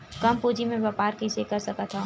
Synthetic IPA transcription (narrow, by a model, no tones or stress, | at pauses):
kɐmpuːd͡ʒimẽʋaːpaːɾkisekɐɾsɐkat̪ʰa